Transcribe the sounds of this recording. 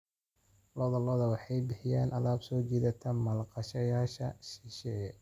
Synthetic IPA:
lɔːðɐlɔːðɐwɑħɑjbɪħɪjaːnʔɐlaːbsɔːt͡ʃiːðɐt̪ʰɐmɐlqɑʃɐjaːʃɐʃɪʃɛ

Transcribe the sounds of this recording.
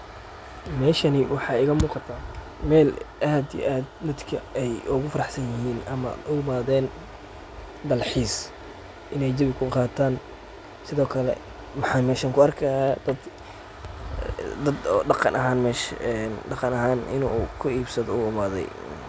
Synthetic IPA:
mɛːʃɐnɪwɑħɑːɪɣɐmuːqɑt̪ʰaː | mɛːlʔaːd̪ijḭʔaːd̪mɐd̪kʰɐɛjʔʊɣʊfɐɾɑħsɐnjɪɦiːnɐmɐ̰ʔʊmaːðɛːn | d̪ɐlħiːs | ʔɪnɛjd͡ʒ̪ɐβɪkʰʊqɑːt̪ʰaːn | sɪðɔːkʰɐlɛ̰ | mħɑmɛːʃɐŋkʰʊɐrkʰɐhaːd̪ɐd̪ | d̪ɐd̪ɖɑqɑ̰nʔɐɦaːnmɛʃɛnɖɑqɑnɐɦaːnɪ̰nukʰʊiːbsɐðɔuːɪmaːðɛ̰j

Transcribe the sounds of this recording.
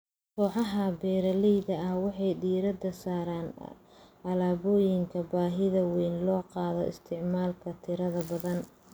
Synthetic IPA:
kʰɔːħɑɦɐbɛːɾɐlɛjðɐɐhwɑħɑjɖiːɾɐd̪ɐsaːɾaːn | ɐlaːβɔːjɪŋkʰɐbaːɦɪðɐwɛjnlɔːqɑːðɔ̰ʔɪ̰st̪ʰɪʕmaːlkʰɐt̪ʰɪɾɐðɐbɐðɐn

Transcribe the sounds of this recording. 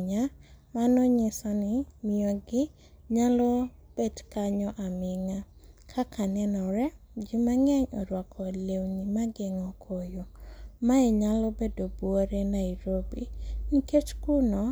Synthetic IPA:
ɲamanɔɲɪsɔnɪmɪjɔɡɪ | ɲalɔb̥edkaɲɔʔamɪŋakʰakʰanɛnɔɾɛ | d͡ʒimaŋɛɲɔ̰ɾwɔkʰɔlewnimaɡɪŋɔkʰojomaɛɲalɔbedobwoɾenaiɾobiniket͡ʃkunɔ

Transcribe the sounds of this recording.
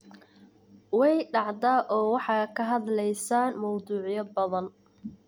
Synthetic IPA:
wɛjɖɑʕd̪aːʔɔːwɑħɑːkʰɐɦɐðlɛjsaːnmɔwduːʕɪjɐbɐðɐn

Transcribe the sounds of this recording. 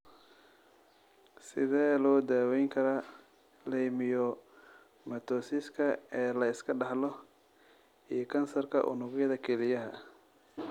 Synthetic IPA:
sɪðɛːlɔːd̪aːwɛjŋkʰɐɾa | lɛjmɪjɔ | mɐt̪ʰɔːsɪskʰɐɛːlɐɪskʰɐɖɑħlɔ | ijɔkʰɐnsɐrkʰɐ̰ʔʊ̰nʊɣjɐðɐkʰɛlɪjɐɦɐ

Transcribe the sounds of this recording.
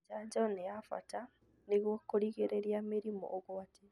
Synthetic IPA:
d͡ʒaɲd͡ʒɔneafa̰ta | neɣwɔkoɾiɣeɾeɾiameɾimɔ̰ʔoɣwate

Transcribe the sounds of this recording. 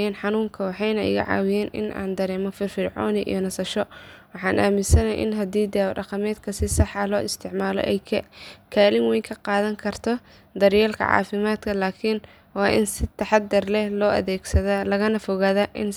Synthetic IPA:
ɛːnħɑnuːŋkʰɐwɑħɑjnɐʔɪ̰ɣɐ̰ʕɑ̰ːwɪjɛːnʔɪ̰nʔa̰ːnd̪ɐɾɛːmɔfɪrfɪrʕɔ̰ːnɪʔḭjɔnɐsɐʃɔwɑħɑːnʔaːmɪnsɐnɐʔɪ̰nɦɐd̪iːd̪aːwɖɑqɑmɛːd̪kʰɐsɪsɑħɐlɔːɪst̪ʰɪʕmaːlɔ̰ʔɛ̰jkʰɛkʰaːlɪŋwɛjkʰɐqɑːðɐŋkʰɐrt̪ʰɔ | d̪ɐɾjɛːlkʰɐ̰ʕɑ̰ːfɪmaːd̪kʰɐlaːkʰɪn | wɑːʔɪnsɪt̪ʰɐħɑd̪ːɐrlɛhlɔːʔɐ̰ðɛːɡsɐðɐlɐɣɐnɐfɔɣaːðɐʔɪn

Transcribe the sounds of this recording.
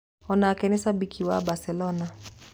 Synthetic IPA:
ɔnakɛnɛsabikʰiwa̰basɛlɔna

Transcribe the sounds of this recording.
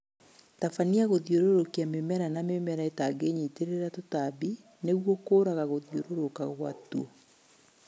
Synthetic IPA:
tafaniaɣoðioɾoɾokeamemɛɾanamemɛɾaetaɡeɲeiteɾeɾatotabi | neɣwokoːɾaɣaɣoðjoɾoɾokaɣwa̰tuo

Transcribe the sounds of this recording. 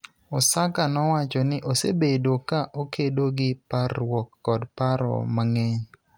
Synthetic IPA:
ɔsakanɔwat͡ʃɔnɪʔosebedokaʔokʰedoɡɪparwɔkːɔdpaɾɔ̰maŋɛɲ

